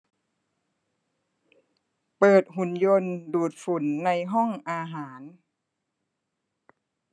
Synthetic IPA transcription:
pɤː˨˩t̪̚hu˩˦njo˧nduː˨˩t̪̚fu˨˩˦nːa˧jɦɔ˥˩ŋʔaː˧ɦaː˩˦n

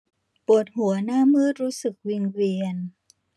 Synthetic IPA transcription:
pu˨˩ət̪̚hu˨˩˦ɐnaː˥˩mɯː˥˩t̪̚ɾuː˦˥sɯ˨˩k̚wi˧ŋwi˧ən

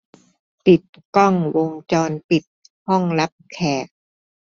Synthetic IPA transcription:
p̪i˨˩t̪̚kɔ˥˩ŋwo˧ŋt͡ɕɔː˧npi˨˩t̪̚ | hɔ˥˩ŋla˦˥p̚kʰɛː˨˩k̚

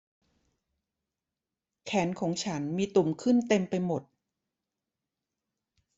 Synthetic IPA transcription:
kʰɛː˩˦nkʰɔː˩˦ŋt͡ɕʰa˦˥nmiː˧t̪u˨˩mkʰɯ˥˩nt̪e˧mpa˧jmo˨˩t̪̚

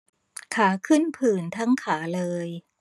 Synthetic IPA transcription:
kʰaː˩˦kʰɯ˥˩npʰɯː˨˩nt̪ʰa˦˥ŋkʰaː˩˦lɤː˧j

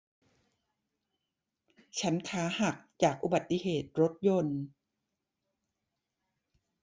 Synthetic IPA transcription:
t͡ɕʰa˦˥nkʰaː˦˥ha˨˩k̚t͡ɕaː˨˩k̚ʔu˨ba˨˩t̪ːi˧˨ɦeː˨˩t̪̚ɾo˦˥t̪̚jo˧n

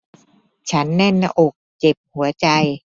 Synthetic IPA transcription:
t͡ɕʰa˦˥nːɛ˥˩nːa˧ʔo˨˩k̚t͡ɕe˨˩p̚hu˨˩˦ɐt͡ɕa˧j

